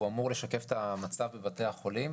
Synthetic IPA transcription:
uamuʁle̞ʃake̞fet̪amat͡savbebate̞aχo̞lim

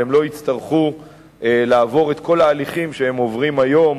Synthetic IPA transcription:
emlo̞it͡st̪aʁχu | elaːvo̞ʁe̞t̪kʰo̞laːliχimʃehemo̞vʁimajo̞m

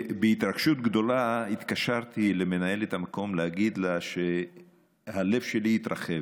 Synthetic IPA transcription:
beit̪ʁaɡʃut̪ɡd̪o̞lait̪kaʃaʁt̪ile̞me̞naje̞let̪amako̞mleaɡid̪laʃe | hale̞vʃe̞liit̪ʁa̰χev

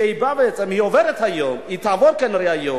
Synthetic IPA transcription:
ɛjbavɛt͡sʼɛmiɔvɛɾɛt̪hajɔmit̪ʰavɔɾkɛnɾɛajo

